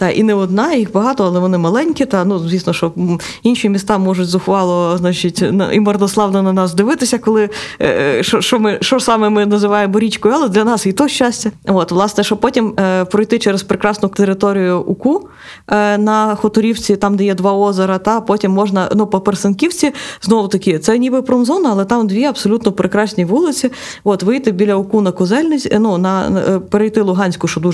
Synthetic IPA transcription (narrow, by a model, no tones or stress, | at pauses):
t̪ɑʔḭnɛɔd̪nɑjixbɐɦɑt̪ɔɐlˠɛʋɔnɪmɐlˠɛnʲkʲit̪ɐnuzʋʲisnɔʃɔ | inʃimʲist̪ɑmɔʐʊtʲzʊxʋɑlˠɔznɑt͡ʃɪtʲnɐ̰ʔḭmɐrd̪ɔslˠɑʋnɔnɐnɑsd̪ɪʋɪt̪ɪsʲɐkɔlˠɪ | ʃɔʃɔmɪʃt͡ʃɔsɑmɛmɪnɐzɪʋɑjembɔɾʲit͡ʃkɔjɑlˠɛd̪lʲɐnɑsit̪ɔʃt͡ʃasʲtʲɐɔt̪ʋlˠɑsnɛʃɔpɔtʲimpɾɔjt̪ɪt͡ʃɛɾespɾekɾɑsnʊt̪eɾɪt̪ɔɾʲijʊʔʊku | nɐxɔt̪ʊɾʲiwt͡sʲit̪ɑmd̪ɛjɛd̪ʋɑɔzɐɾɐt̪ɑpɔtʲimːɔʒnɐnupɔpersenkʲiwt͡sʲiznɔʋʊt̪ɐkʲɪt̪sɛnʲibɪpɾɔmzɔnɐɐlˠɛt̪ɑmd̪ʋʲiɐb̥sɔlʲut̪nɔpɾɪkɾɑsʲnʲiʋulˠɪt͡sʲi | ɔt̪ʋɪjt̪ɪbʲilʲɐʊkunɐkʊzɛlʲnɪsʲnunɐpeɾejt̪ɪlˠʊɦɑnʲsʲkʊʃt͡ʃɔd̪u